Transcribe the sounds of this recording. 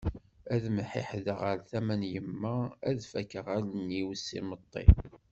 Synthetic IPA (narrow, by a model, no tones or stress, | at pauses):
æðmħɪ̰ħðəʁəɾθæmænjəmːææðfækːəʁælənːiwsːḭmət̪ˤːḭ